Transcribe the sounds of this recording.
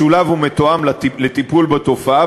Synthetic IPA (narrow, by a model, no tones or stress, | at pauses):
ulavhumet̪oamlalet̪ipulbet̪o̞faa